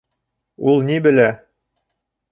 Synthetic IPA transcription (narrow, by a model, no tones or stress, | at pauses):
ulˠnibɘ̆læ